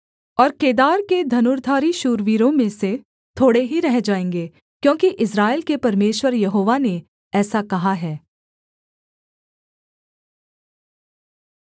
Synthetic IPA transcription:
ɔːɾkeːd̪aːɾked̪ʱɐnʊːɾd̪ʱaːɾiʃuːɾʋiːɾõmẽse | t̪ʰoːɽeɦiɾɛɦd͡ʒaːẽːŋɡeː | kjõːkiʔɪs̬ɾaːelkepɐɾmeːʃwəɾjɐɦoːʋane | ɛːsakɐɦaɦɛː

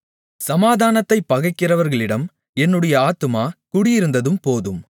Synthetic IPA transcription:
sɐmaːðaːnɐt̪ːɐɪpːɐɣɐɪkːɪrɐʋɐɾɣɐɭɪɽɐm | ɛnːɯɽɐjɐaːt̪ɯmaːkʊɽɪjɪɾɯnd̪ɐðɯmpoːðɯm

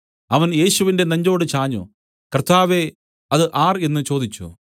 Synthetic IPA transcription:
ɐʋɐnje̞ːɕuʋinde̞nɐɲd͡ʑo̞ːɽɨt͡ɕaːɲːṵ | kɐrt̪ʰaːʋe̞ | ɐðɨʔaːre̞nːɨt͡ɕo̞ːd̪it͡ɕːṵ

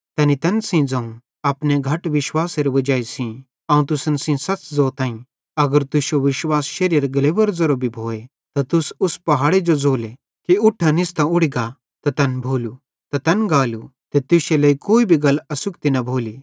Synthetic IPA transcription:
t̪ɐnit̪ɐnsĩd͡zɐ̃ũ | ɐpneɡʱɐʈʋɪʃwaːseɾʋɐd͡ʒaːisĩ | ãːũt̪ʊsɐnsĩsɐt͡sd͡zoːt̪ãːĩ | ɐɡəɾt̪ʊʃoʋɪʃwaːsʃɐɾjɐɾɡɐleːbɐɾzɐɾobʱibʱoːe | t̪ɐt̪ʊsʊspɐɦaːɽed͡ʒod͡zoːle | kiʊʈʰːãnɪst̪ʰɐ̃ʊɽiɡa | t̪ɐt̪ɐnbʱoːlu | t̪ɐt̪ɐnɡaːlut̪et̪ʊʃelɐikoːibʱiɡɐlɐsʊkt̪inɐbʱoːli

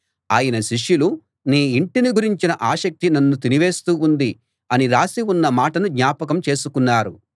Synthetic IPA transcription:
aːjɐnɐʃiʂjulu | niːiɳʈiniɡuɾiɲt͡ʃinɐʔaːʃɐk̚t̪inɐnːut̪̬iniʋe̞ːst̪uːund̪i | ɐniɾaːsiunːɐmaːʈɐnud̪ɲaːpɐkɐmt͡ʃe̞ːsukunːaːɾu

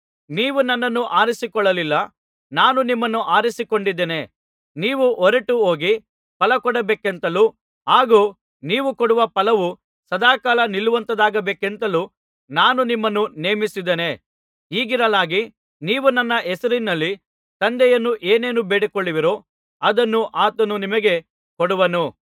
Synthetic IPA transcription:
niːʋunɐnːɐnːuʔaːɾisikɔɭːɐlilːɐ | naːnunimːɐnːuʔaːɾisikoɳɖid̪ːene̞ | niːʋuʔɔɾɐʈuoːɡi | pɐlɐkɔɽɐbeːkent̪ɐluː | ɦaːɡuː | niːʋukɔɽuʋɐpɐlɐʋu | sɐd̪aːkaːlɐniluʋɐnt̪ɐd̪aːɡɐbeːkent̪ɐluː | naːnunimːɐnːune̞ːmisid̪ene̞ | iːɡiɾɐlaːɡi | niːʋunɐnːɐɛsɐɾinːɐlːi | t̪ɐnd̪ɛjɐnːuʔeːneːnubeːɽekɔɭːiʋiɾoː | ɐd̪ɐnːuʔaːt̪ɐnunimɐɡe̞ | kɔɽuʋɐnu

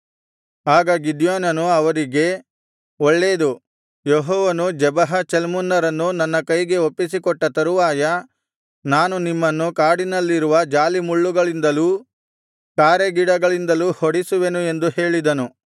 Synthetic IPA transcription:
aːɡaːɡid̪jaːnɐnuɐʋɐɾiɡe̞ | ɔɭːe̞ːd̪u | jeɦɔːʋɐnud͡ʒɛbɐɦɐt͡ʃelmunːɐɾɐnːunɐnːɐkɐjɡe̞opːisikɔʈːɐt̪ɐɾuʋaːjɐ | naːnunimːɐnːukaːɽinɐlːiɾuʋɐd͡ʒaːlimuɭːuɡɐɭind̪ɐluː | kaːɾeɡiɽɐɡɐɭind̪ɐluhoɽisuʋe̞nue̞nd̪uhe̞ːɭid̪ɐnu

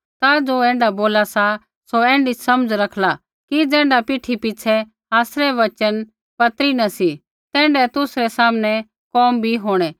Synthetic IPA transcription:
t̪ad͡zoɛ̃ːɳɖaboːlasa | soɛ̃ːɳɖisɐməd͡zɾɐkʰla | kid͡zɛ̃ːɳɖapiʈʰipɪt͡ʃʰɛ | aːsɾɛʋɐt͡ʃən | pɐt̪ɾinɐsi | t̪ɛ̃ːɳɖɛt̪ʊsɾɛsaːmnɛ | kɔːmbʱiɦoːɽ̃ɛ

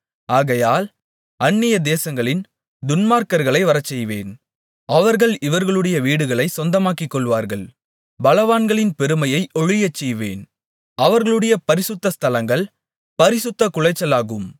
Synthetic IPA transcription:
aːɣɐjaːl | ɐnːɪjɐd̪eːsɐŋɡɐɭɪn | d̪ʊnmaːɾkɐɾɣɐɭɐɪʋɐɾɐt͡ʃːɛjʋḛːn | ɐʋɐɾɣɐɭɪʋɐɾɣɐɭɯɽɐjɐʋiːɽɯɣɐɭɐɪsɔnd̪ɐmaːkɪkːɔɭʋaːɾɣɐɭ | bɐlɐʋaːnɡɐɭɪnpɛɾɯmɐjɐɪʔɔɻɪjɐt͡ʃːɛjʋeːn | ɐʋɐɾɣɐɭɯɽɐjɐpɐɾɪsʊt̪ːɐst̪ɐlɐŋɡɐɭ | pɐɾɪsʊt̪ːɐkʊɻɐɪt͡ʃːɐlaːɣɯm

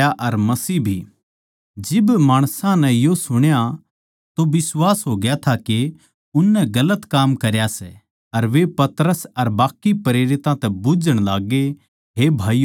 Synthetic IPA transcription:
aʔɐɾmɐsiːbʱi | d͡ʒɪbmaːɽ̃sãnɛ̃josʊɽ̃ja | t̪oʋɪswaːsɦoːɡɪjat̪ʰake | ʊnːɛ̃ɡɐlət̪kaːmkɐɾjasɛ | ɐɾʋepɐt̪əɾəsɐɾbaːkːipɐɾeːɾɪt̪ãt̪ɛbʊd͡ʒəɽ̃laːɡe | ɦebʱaːi

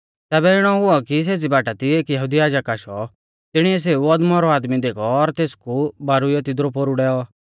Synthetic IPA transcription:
t̪ɛːbɛɪɽ̃ɔɦʊɔkis̬eːt͡sibaːʈat̪ieːkjɐɦuːd̪ijaːd͡ʒakaːʃɔ | t̪ɪɽ̃iɛs̬eːuɔd̪mɔɾɔaːd̪mid̪eːkʰɔːɾt̪eːskubaːɾujɛt̪ɪd̪ɾɔpoːɾuɽɛːɔ

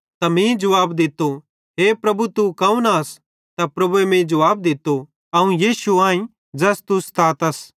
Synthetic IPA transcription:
t̪ɐmĩd͡ʒɐʋaːbd̪ɪt̪ːo | ɦeːpɾɐbut̪ukɐũnaɐs | t̪apɾɐbuemẽd͡ʒɐʋaːb̚d̪ɪt̪ːo | ɐũjiːsuãːĩ | d͡ʒɛst̪ʊst̪ʰaːt̪ɐs

